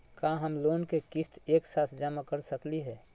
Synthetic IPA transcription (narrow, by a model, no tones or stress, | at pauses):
kaɦəmloːnkekɪst̪eːksaːt̪ʰd͡ʒaːmakəɾsəkliɦɛː